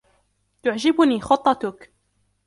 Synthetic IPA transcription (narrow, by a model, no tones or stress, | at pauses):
t̪ʊʕd͡ʒɪbʊniːxʊt̪ˤːɑt̪ʊk